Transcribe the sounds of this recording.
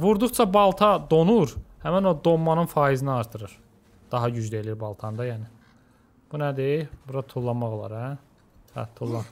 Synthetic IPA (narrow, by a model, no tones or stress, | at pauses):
vuɾd̪uχt͡ʃʰɑbɑlˠt̪ʰɑd̪o̞nuɾhæmæno̞d̪omːɑnɯnfɑːiziniɑɾt̪ʰɯɾɯɾ | d̪̥ɑɦɑɟyd͡ʒd̪æeliiɾbɑlˠt̪ʰɑnd̪ɑjæːni | b̥unæd̪eibuɾɑt̪ʰulˠːɑmɑɣolˠɑ̰ɾæ | hæ̰t̪ʰulˠːɑn